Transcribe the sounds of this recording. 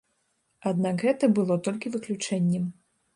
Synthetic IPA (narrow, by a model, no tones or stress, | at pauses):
ad̪nakɣɛt̪ɐbɨlˠɔt̪ɔlʲkʲivɨklʲut͡ʂɛnʲːɛm